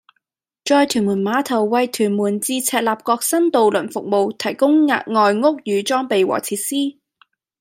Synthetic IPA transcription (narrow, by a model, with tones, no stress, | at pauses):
t͡ʃɔː˧jt̪ʰyː˨˩muː˨˩nmaː˨˧˥t̪ʰɐ˨˩wːɐ˨jt̪ʰyː˨˩nmuː˨˩nt͡siː˧t͡sʰɛː˨˧t̚laː˨˩p̚kɔː˧k̚sɐ˥nt̪o˨wlɵ˨˩nfʊ˨k̚mo˨˧wt̪ʰɐ˨˩jkʊ˥ŋŋa̰ː˧t̚ŋɔː˨jŋʊ˥k̚jyː˨˧t͡sɔː˥ŋpe˨jwɔ̰ː˨˩t͡sʰiː˧t̚siː˥